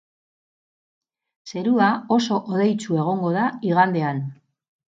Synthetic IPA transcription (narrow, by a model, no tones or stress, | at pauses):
se̞ɾuao̞so̞ʔoðe̞jt͡sue̞ɣ̞o̞ŋɡo̞ðaiɣand̪e̞an